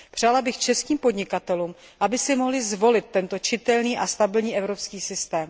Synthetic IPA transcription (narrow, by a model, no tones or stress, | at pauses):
pr̝̥aːlabɪxt͡ʃɛskiːmpo̞dɲɪkat̪ɛluːm | ʔabɪsɪmo̞ɦlɪzvo̞lɪt̪ːɛnt̪o̞t͡ʃɪt̪ɛlniːʔast̪abɪlɲiːʔɛvɾo̞pskiːsɪst̪ɛːm